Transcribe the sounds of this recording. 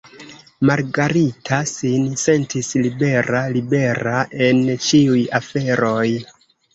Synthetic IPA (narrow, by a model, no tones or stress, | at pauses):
maɾɡaɾitʰasinse̞ntislibe̞ɾalibe̞ɾaʔe̞nt͡ʃiujafe̞ɾo̞j